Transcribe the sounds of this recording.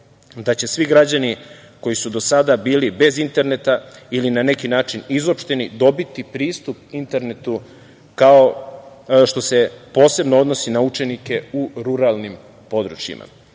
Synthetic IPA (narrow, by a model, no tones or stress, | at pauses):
d̪at͡ɕe̞sʋiɡɾad͡ʑani | ko̞jisud̪o̞sad̪abiːlibe̞zint̪e̞ɾne̞t̪ailinane̞kinaːt͡ʃinizopʃt̪e̞nid̪o̞bit̪ipɾiːst̪up̚int̪e̞ɾnet̪u | kao | ʃt̪o̞se̞po̞ːse̞bnoo̞d̪no̞sinaut͡ʃe̞nike̞uɾuɾalˠnim | po̞d̪ɾut͡ɕjḭmʔa̰